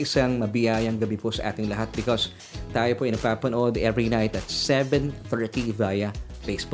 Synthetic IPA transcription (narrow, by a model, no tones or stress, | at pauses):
ʔɪsaŋmɐbɪjaːjɐŋɡɐbiposɐʔa̰ːt̪ɪŋlɐɦat̪̚bɪkos | t̪aːjopoʔɪnɐɡ̚paːpɐnoʔod̪ɛvɹinajt̪ɐt̪̚sɛvɛ̃nθɛɹt̪ivajɐpesbo